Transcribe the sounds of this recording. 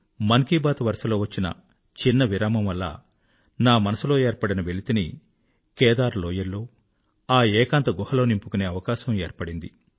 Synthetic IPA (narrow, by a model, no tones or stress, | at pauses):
mɐŋkiːbaːt̪ʋɐɾʂɐlo̞ːʋɐt͡ʃːinɐ̰ | t͡ʃinːɐʋiɾaːmɐmʋɐlːɐ̰ | naːmɐnɐsulo̞ːeːɾpɐɽɐnɐʋeɭit̪inḭ | kɛːd̪aːɾloːjɐlːo̞ː | aːɛːkaːnt̪ɐɡɔhɐlo̞ːnimpukune̞ːɐʋɐkaːʃɐmeːɾpɐɽind̪ḭ